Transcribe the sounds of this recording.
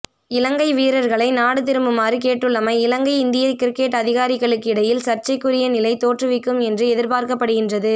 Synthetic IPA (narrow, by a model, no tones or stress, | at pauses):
ɪlɐŋɡɐɪʋiːɾɐɾɣɐɭɐɪnaːɽɯt̪̬ɪɾɯmbɯmaːrɯkeːʈːɯɭːɐmɐɪɪlɐŋɡɐɪɪnd̪ɪjɐɾkɪɾɪkːeʈːɐðɪɣaːɾɪɣɐɭɯkːɪɽɐjɪlsɐɾt͡ʃɐɪkːɯɾɪjɐnɪlɐɪt̪oːʈrɯʋɪkːɯmɛndrɯɛðɪɾpaːɾkɐpːɐɽɯɣɪndrɐðɯ